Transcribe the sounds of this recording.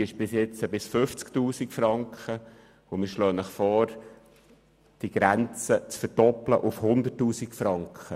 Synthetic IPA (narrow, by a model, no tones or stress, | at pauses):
ɪʃb̥ɪsjɛt͡səbɪsfʏft͡sktuːsikfɾɑŋkχə | ʊmɪːʃløːnəχfɔːɾ | d̥iɡ̥ɾɛnt͡sət͡sfəɾd̥ɔpləʔʊfhʊnd̪ətːuːsikfɾɑŋkχə